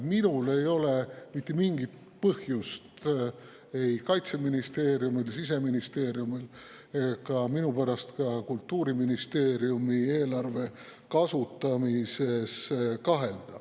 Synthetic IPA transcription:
minule̞jo̞le̞mit̪ːˑemiŋɡit̪ | pɤhjust̪ | e̞jkɑjt̪se̞minist̪e̞ːɾjumilsis̬e̞minist̪e̞ːɾjumil | ekɑminupæɾɑst̪kɑkult̪ːuːɾiminist̪e̞ːɾjumie̞ːlɑrve̞ | kɑsut̪ːɑmise̞skɑɦe̞ld̪̥ɑ

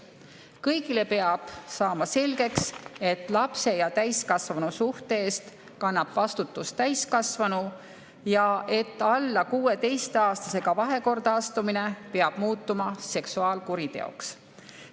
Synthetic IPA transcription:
kɤjɡile̞pe̞ɑb̥sɑːmɑse̞lɡ̥e̞kse̞t̪ːˑlɑpse̞jɑt̪æjskɑsvɑnusuht̪eeːst̪ | kɑnːɑb̥vɑst̪ut̪ːˑustt̪æjskɑsvɑnu | jɑʔe̞t̪ːˑɑlːɑkuːe̞t̪e̞jst̪eɑːst̪ɑse̞ɡ̥ɑvɑɦe̞ko̞rd̪̥ɑɑst̪umine̞peɑb̥muːt̪ːˑumɑse̞ksuɑːlkuɾit̪e̞̰o̰ks

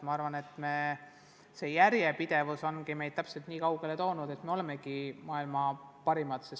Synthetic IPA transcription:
mɑɑɾvɑne̞t̪ˑme | se̞jæɾjepid̪̥e̞vuso̞nɡime̞jd̪̚t̪æpse̞lt̪niːkɑwɡe̞le̞t̪o̞ːnud̪̥e̞t̪me̞o̞lemeɡimɑːilmɑpɑɾimɑt̪ses

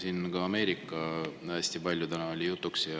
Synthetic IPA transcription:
siːnɡɑːme̞ːɾikːˑɑæːsʲt̪ipɑlʲjut̪ænɑo̞lʲijut̪ːˑuksjɑ

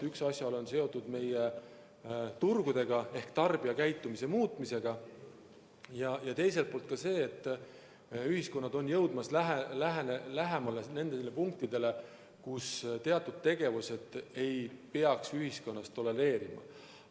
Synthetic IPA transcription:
yksɑsjɑlo̞nse̞o̞t̪ːˑud̪me̞je | t̪urɡ̥ud̪̥e̞ɡ̥ɑe̞hkt̪ɑrb̥iɑkæjt̪ːˑumise̞muːt̪ˑmise̞ɡ̥ɑ | jɑjɑt̪e̞js̬e̞lt̪̚po̞lt̪kɑse̞ːt̪ːˑ | yɦisko̞nːɑd̪o̞njɤwd̪mɑslæɦelæɦnelæɦemɑlene̞nd̪elːepuŋk̚t̪id̪̥e̞le̞ | kust̪e̞ɑt̪ːˑud̪̥̚t̪e̞ɡ̥e̞vuse̞d̪̥e̞jpe̞ɑksyɦisko̞nːɑst̪o̞le̞ɾe̞ːɾimɑ̰

